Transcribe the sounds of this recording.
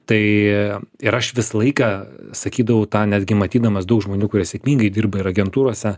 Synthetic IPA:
t̪ɐɪ | ɪɾɐʃʋʲɪsɐlˠɐɪkɑːsɐkʲiːd̪ɐʋɐʊt̪ɑːnʲæd̪ʲɡʲɪmɐt̪ʲiːd̪ɐmɐsd̪ɐʊkʒmoːnʲuːkʊɾʲiɛsʲɛkmʲiːŋɡɐɪd̪ʲiːrbɐɪɾɐɡʲɛnt̪uːɾoɔsʲɛ

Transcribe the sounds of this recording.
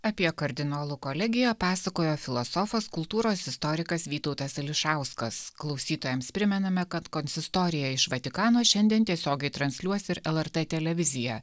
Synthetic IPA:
ɐpʲiɛkɐɾʲd̪ʲɪnoːlˠukolʲɛɡʲɪjɛpɑːsɐkoːjoːfʲɪlˠɔsɔfɐskʊlˠt̪uːɾoːsɪst̪ɔːɾʲɪkɐsʋʲiːt̪ɐʊt̪ɐsɐlʲɪʃɑˑʊskɐsklˠɒʊsʲiːt̪oːjɛmspʲɾʲɪmʲɛnɐmʲɛkɐt̪kɔnʲsʲɪst̪ɔːɾʲɪjɛɪʃʋɐt̪ʲɪkɑːnoːʃʲɛnʲd̪ʲiɛnt̪ʲiɛsʲoːɡʲɛɪt̪ɾɐnʲsʲlʲuɔsʲɪɾɛlˠɛɾt̪ɛt̪ʲɛlʲɛʋʲɪzʲɪjɛ

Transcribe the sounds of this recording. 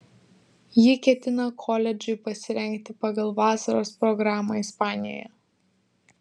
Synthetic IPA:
jɪkʲɛt̪ʲɪnɐkʰɔlʲɛd͡ʒʲʊɪpɐsʲɪɾʲɛŋʲkt̪ʲɪpɑɡɐlˠʋɑːsɐɾoːspɾɔɡɾɑːmɐːɪspɑːnʲɪjɔ̰ːjɛ̰

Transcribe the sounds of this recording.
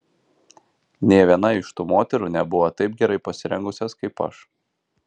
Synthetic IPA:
nʲeːʋʲiɛnɐɪʃt̪uːmoːt̪ʲɛɾuːnʲɛbʊʋɐt̪ɐɪp̚ɡʲɛɾɐɪpɐsʲɪɾʲɛŋɡʊsʲɛskɐɪpɐ̰ʃ

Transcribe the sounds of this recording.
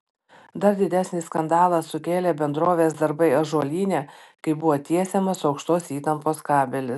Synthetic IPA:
d̪ɐɾd̪ʲɪd̪ʲæsʲnʲɪskɐnd̪ɑːlˠɐsʊkʲeːlʲeːbʲɛnd̪ɾoːʋʲeːsd̪ɐɾbɐɪɐʒoːlʲiːnʲeːkɐɪbʊʋoːt̪ʲiɛsʲɛmɐsɒʊkʃt̪oːsiːt̪ɐmpoːskɑːbʲɛlʲɪs

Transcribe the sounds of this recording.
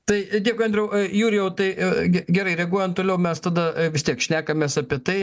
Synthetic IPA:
t̪ɐɪd̪ʲeːkʊɪɐndʲɾʲɛʊjuːɾʲɪjɛʊt̪ɐɪɡʲɛɡʲɛɾɐɪɾʲɛɡuɔjɛnt̪oːlʲɛʊmʲɛst̪ɐd̪ɐʋʲɪst̪ʲiɛkʃʲnʲæːkɐmʲeːsɐpʲiɛt̪ɐɪ

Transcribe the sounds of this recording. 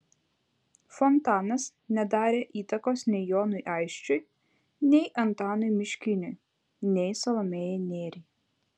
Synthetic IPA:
fɔnt̪ɑːnɐs | nʲɛd̪ɑːɾʲeːʔiːt̪ɐkoːsnʲɛɪjoːnʊjʔɑɪʃʲt͡ʃʲʊj | nʲɛɪʔɐnt̪ɑːnʊjmʲɪʃʲkʲɪnʲʊj | nʲɛɪsɐlˠɐmʲeːjɛnʲeːɾʲɛj

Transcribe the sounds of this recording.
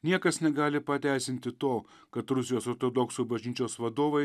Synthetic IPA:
nʲiɛkɐsnʲɛɡɑːlʲɪpɐt̪ʲæˑɪsʲɪnʲt̪ʲɪt̪oː | kɐt̪ɾʊsʲɪjoːsoːɾt̪oːd̪ɔksuːbɐʒʲnʲiːt͡ʃʲoːsʋɐd̪oːʋɐɪ

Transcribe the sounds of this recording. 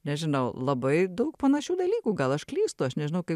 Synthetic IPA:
nʲɛʒʲɪnɐʊlˠɐbɐɪd̪ɐʊkpɐnɐʃʲuːd̪ɐlʲiːkuːɡɐlˠɐʃklʲiːst̪ʊɐʃnʲɛʒʲɪnɐʊkɐɪ

